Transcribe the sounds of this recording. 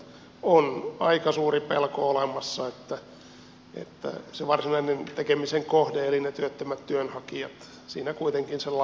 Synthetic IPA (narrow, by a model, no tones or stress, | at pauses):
onɑ̰ikɑsuːripelkoolemɑsːɑet̪ːæ | ʔḛt̪ːæ̰seʋɑrsinɑinent̪ekemiseŋkohdeelinet̪yøt̪ːømæt̪t̪yønhɑkijɑt̪ | siːnækuit̪eŋkinselːɑ